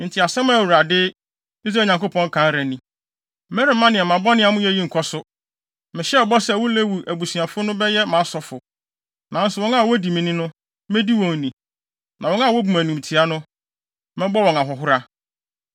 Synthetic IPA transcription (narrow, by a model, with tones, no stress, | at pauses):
n̩˨tʰɪ˨a˨sɛ̃˦m˦˨wu˨ɾa˨dɪ˦ | i˦s̬ɾa˦˨ɲã˨ŋko˦pʰɔ̃˦ŋ˦kʰã˨˦n˦ɾæ˨nĩ˨ | mɛ˦ɾi˨˦mã˦nɪ̃˨ɛ˨m˨ã˨bɔ˦nɪ̃˦a˨mʊ̃˦jɛ˦ji˦ŋ̩˨kʰɔ˦sʊ˦ | mɪ̃˨ɕɛ˦ɔ˨bɔ˦sɛ˦˨wʊ˦le˦wu˨ʔæ˨bu˨su˨a˨fʊ˦nʊ̃˦bɛ˦jɛ˦mãː˨˦sɔ˨fʊ˨ | nã˨n̩˦sʊ˨wɔ̃˦nã˦˨wɔ˦di˨mĩ˨nĩ˦nʊ̃˦ | mẽ˦di˦wɔ̃˨ŋ˨nĩ˨ | nʔã˨wɔ̃˦ŋã˦˨wɔ˦bu˨mæ˨nũ˨m̩˨tʰi˨a˦nʊ̃˦ | mɛ̃˦bɔ˦wɔ̃˨na˨ɦɔ˨ɦʊ˦ɾa˦